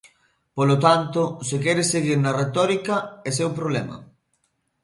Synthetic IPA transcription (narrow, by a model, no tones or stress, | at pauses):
polot̪ant̪ʊsekɛɾeseɣiɾnɐret̪ɔɾikɐesewpɾoβlɛmɐ̰